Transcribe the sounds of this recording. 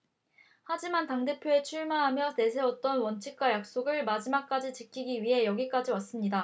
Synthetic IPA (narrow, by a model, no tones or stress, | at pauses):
had͡ʑimantaŋde̞pʰjoe̞t͡ɕʰuɭmaɦamjʌe̞s̬ʰe̞wʌt̚t͈ʌnwʌnt͡ɕʰik̚k͈wajak̚s͈oɡɯɭmad͡ʑimak̚k͈ad͡ʑit͡ɕɯkʰiɡiɥiɦe̞jʌɡik͈ad͡ʑiwas͈ɯmɲida